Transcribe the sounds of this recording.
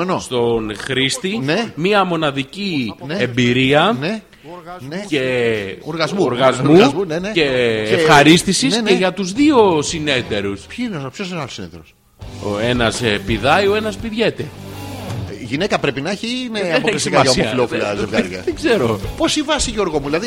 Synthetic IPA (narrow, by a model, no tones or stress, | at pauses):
enost̪o̞nxɾist̪inemiɐmo̞nɐðicinembiɾiɐne | ce̞oɾɣɐzmuoɾɣɐzmuzuneneceːxɐɾist̪isiseʝɐt̪uzðio̞sine̞t̪e̞ɾuspçinopços̬inɐlosinet̪eɾos | oe̞nɐspiðɐjo̞e̞nɐspiðʝe̞t̪e | ʝinekɐpɾepinɐçinepoklist̪ikɐɐosioɐfilofilɐzevɣɐɾʝɐðeɡze̞ɾo̞po̞sivɐsiʝoɾɣomuðilɐði